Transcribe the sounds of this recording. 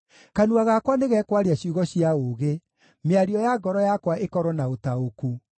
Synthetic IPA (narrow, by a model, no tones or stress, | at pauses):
kanuaɣakwaneɣɛkwaɾeaɕuɣɔɕiaoɣe | meaɾiɔjaɡɔɾɔjakwaʔekɔɾɔnaotaoku